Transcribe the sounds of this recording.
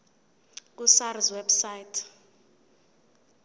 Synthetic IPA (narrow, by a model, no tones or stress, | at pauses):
k̬ʼusaɾizwɛbsajtʰ